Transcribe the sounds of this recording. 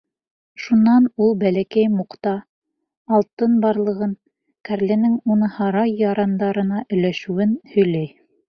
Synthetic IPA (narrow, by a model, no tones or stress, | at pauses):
ʃunːɑnulˠbælækæjmuqt̪ɑː | lˠt̪ɤnbɑɾlˠɤ̆ʁɤn | kæɾlɘ̆nɘŋunɤhɑɾɑjːɑɾɑnd̪ɑɾɤ̆nɑʔɵ̆jlæʃʉ̆wɘnhɵ̆jlæj